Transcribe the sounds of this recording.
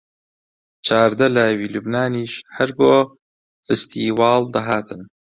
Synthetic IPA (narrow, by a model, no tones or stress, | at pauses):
t͡ʃʰaːɾd̪ɐlaːjwiːlubnaːniːʃhɐɾboː | fɨst̪ʰiːwɑːld̪ɐɦaːt̪ʰɨn